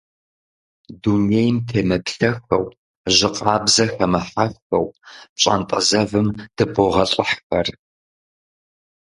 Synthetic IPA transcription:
dunejɪmtʰeːmɨpɬɐxɐw | ʒɪqʼɑːbzɐxɐmɨħafxɐwɕʼa̰ntʼɐzɐvɨmd̥ɨboʁɐɬʼɨħxɐr

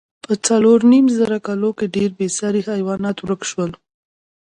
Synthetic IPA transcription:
pət͡saloɾnimzəɾakɑlokeɖeɾbesɑɾihajwɑnɑt̪wɾəkʃwəl

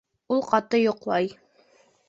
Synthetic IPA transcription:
ulˠqɑt̪ɤjŏqlˠɑj

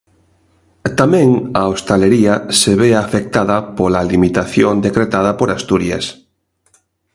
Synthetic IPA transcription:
t̪amẽŋaost̪aleɾiaseβeafek̚t̪aðapolalimit̪aθjond̪ekɾet̪að̞apoɾast̪uɾja̰s

